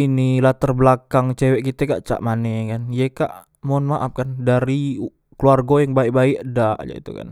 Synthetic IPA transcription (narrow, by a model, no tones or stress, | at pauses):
inilat̪ərbəlakaŋt͡ʃewɛʔkit̪ɛka̰ʔt͡ʃa̰ʔmanɛkanjɛka̰ʔ | mɔnmaʔap̚kandaɾi | kluarɡojaŋbaiʔ̚baiʔdaʔd͡ʒa̰ḭt̪uka̰n